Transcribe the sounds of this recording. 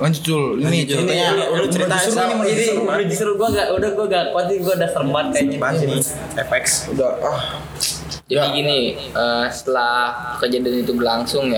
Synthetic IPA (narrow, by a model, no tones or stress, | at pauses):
aɲd͡ʒut͡ʃʊlinid͡ʒinaɲault͡ʃəɾit̪animd͡ʒadibid͡ʒisɾʊɡuaŋɡaʔudahɡuaŋakat̪iɡuaudahsərmbat̪̚kabai | efɛksudah | d͡ʒadiɡini | ʔəsə̥t̪əlahkəd͡ʒadinit̪ubəlaŋsʊŋja